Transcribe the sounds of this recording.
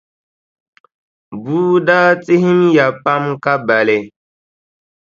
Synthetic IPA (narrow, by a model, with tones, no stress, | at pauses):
buː˦daː˦t͡si˦ɦi˦mja˨pa˦mka˦ba˨lɛ˨